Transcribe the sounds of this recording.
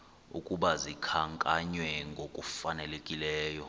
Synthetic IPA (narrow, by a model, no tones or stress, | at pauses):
ṵkʼuɓazikʰaŋkʼaɲwɛŋɡʱokʼufanɛlekʼilɛːjɔ